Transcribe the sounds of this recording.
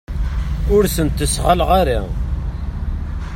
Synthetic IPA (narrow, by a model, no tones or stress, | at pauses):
ʊɾsənt̪ːəsʁəlʁaɾa̰